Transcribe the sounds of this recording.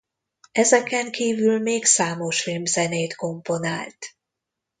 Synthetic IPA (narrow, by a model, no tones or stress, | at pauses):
ɛzɛkɛŋkʰiːvylmeːksaːmoʃfilmzɛneːt̪ko̞mpo̞naːlt̪